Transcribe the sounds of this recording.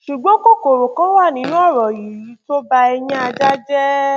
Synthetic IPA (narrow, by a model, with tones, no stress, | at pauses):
ʃu˨ɡ͡bɔ̃˨˦ko˦ko˨ɾo˨kɔ̃˨˦wa˦˨nĩ˨˦nũ˦ɔ˦˨ɾɔ˨ji˨˦i˨˦to˦ba˧ɛ˧jɛ̃˦a˧d͡ʒa˦d͡ʒɛ˦